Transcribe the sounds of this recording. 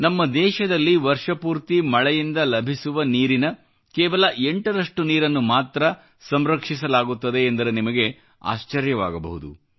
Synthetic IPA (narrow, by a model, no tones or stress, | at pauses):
nɐmːɐd̪ɛːʃɐd̪ɐlːiʋɐɾʂɐpuːɾt̪imɐɭɛjind̪ɐlɐbʱisuʋɐniːɾinɐ | kɛːʋɐlɐʔe̞ɳʈɐɾɐʂʈuniːɾɐnːumaːt̪ɾɐ | sɐmɾɐkʂis̬ɐlaːɡut̪ːɐd̪e̞ːnd̪ɐɾenimɐɡe̞ | a̰ːʃt͡ʃɐɾjɐʋaːɡɐbɐ̰ɦud̪ṵ